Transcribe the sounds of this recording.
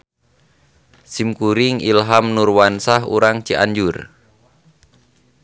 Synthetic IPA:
simkuɾiŋilɦamnurwansaɦṵɾaŋt͡ʃiʔaɲd͡ʒur

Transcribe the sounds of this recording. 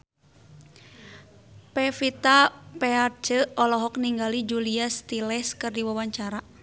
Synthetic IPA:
pɛfit̪apɛart͡ʃəɔlɔɦɔk̚niŋɡalid͡ʒuliast̪ilɛskɨrdiwawaɲt͡ʃaɾa

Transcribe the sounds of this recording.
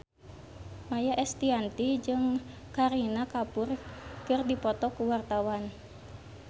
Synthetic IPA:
majaʔɛst̪iant̪id͡ʒɨŋ | kaɾinakapʊrkɨrdipɔt̪ɔkuwart̪awan

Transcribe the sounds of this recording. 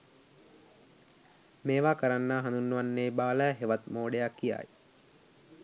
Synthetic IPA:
meːʋaːkəɾanːaːɦand̪unːəʋanːeːbaːləːɦeʋat̪moːɖejakːija̰ːj

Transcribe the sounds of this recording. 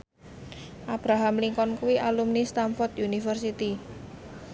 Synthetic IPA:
ʔab̥ɾaɦamliŋkɔnkuwiʔalumnist̪amfɔrt̪junifərsit̪i

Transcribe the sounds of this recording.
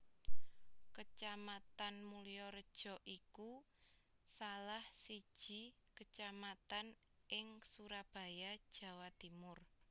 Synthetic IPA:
kət͡ʃamat̪anmulijɔɾəd̥ʒ̥ɔ̤ʔiku | salahsid̥ʒ̥i̤kət͡ʃamat̪an | ʔɪŋsuɾab̥a̤jad̥ʒ̥ä̤wat̪imʊr

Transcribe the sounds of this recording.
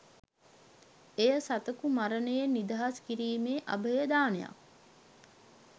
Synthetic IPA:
ejəsat̪əkumaɾənəjenːid̪aɦaskiɾiːmeːʔa̰bəjəd̪aːneja̰k

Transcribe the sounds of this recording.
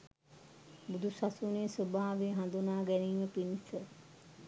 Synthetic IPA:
bud̪ʱusasuneːsobaːʋeɦand̪unaːɡɛniːməpinisə

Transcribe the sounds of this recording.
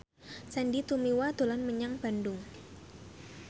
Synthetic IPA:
sandit̪umiwad̪̥olanməɲaŋb̥a̤ndʊŋ

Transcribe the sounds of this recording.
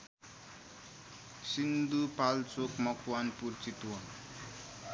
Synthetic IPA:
sind̪upalt͡sokmʌkʰwanpuɾt͡sit̪wa

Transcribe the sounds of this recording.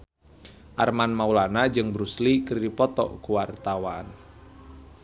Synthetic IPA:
ʔarmanmaulanad͡ʒɨŋbɾuslikɨrdipɔt̪ɔ̰kuwart̪awan

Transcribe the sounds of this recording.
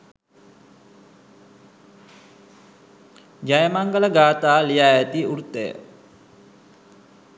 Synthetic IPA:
d͡ʒajmaŋkələɡat̪aliaet̪iuɾt̪ḛ

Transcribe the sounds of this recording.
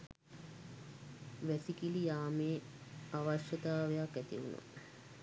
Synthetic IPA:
ʋæsikilijaːmeː | aʋaʃjət̪aːʋejakːæt̪iṵna̰

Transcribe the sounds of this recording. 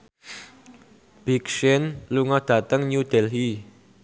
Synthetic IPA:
b̥ikʃɪnluŋɔd̥ä̤t̪əŋɲud̪̥ɛlɦi

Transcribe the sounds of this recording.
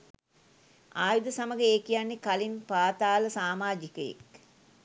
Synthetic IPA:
aːjud̪əsaməɡəeːkijanːekalinpaːt̪aːləsaːmaːd͡ʒikəjḛk

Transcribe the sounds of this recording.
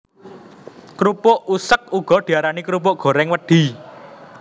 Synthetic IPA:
kɾupoʔusək̚uɡ̥ɔ̤ɖ̪̥i̤aɾanikɾupoʔɡ̥ɔ̤ɾɛŋwəd̪̥i̤

